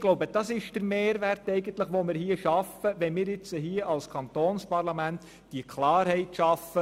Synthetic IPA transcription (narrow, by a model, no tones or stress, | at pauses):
ɡloʊbəd̥ɑsɪʃd̥əɾmeːɾʋærtɛɪɡənt̪ləχʋomɪːɾhiːəʃɑfəʋɛnmɪːɾjɪt͡səɦiːəʔɑlskʰɑnt̪oːnspɑrlɑmænt | d̥ikʰlɑːɾhɛɪtʃɑfə